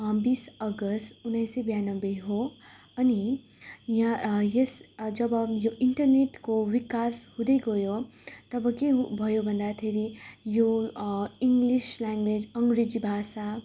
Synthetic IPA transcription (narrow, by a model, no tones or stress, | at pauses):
bisəɡəsʈunːəjsebjanəbeɦo | ɐni | jãjesd͡ʒʌbjoʔiɳʈəɾneʈkoʋikashud̪eɡojot̪ʌbʱʌkebʱʌjobʱənd̪at̪ʰeɾijo | iŋɡliʃlaŋɡʋed͡ʒʌŋɡɾed͡ʒibʱasa